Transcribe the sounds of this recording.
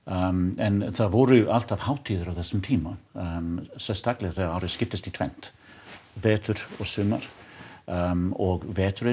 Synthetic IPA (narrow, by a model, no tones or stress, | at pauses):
ɛnθaðvɔɾʏʔal̥t̪avhaːwt̪ʰiːðʏɾawθɛsːʏmt̪ʰiːma | sɛlst̪aklɪɣaθɛawɾɪðscɪft̪ɪst̪it̪ʰvɛ̰n̥t̪ | vɛːt̪ʏɾ̥ɔɣsʏːma̰ɾ̥ | ɔɣvɛːt̪ʏɾɪ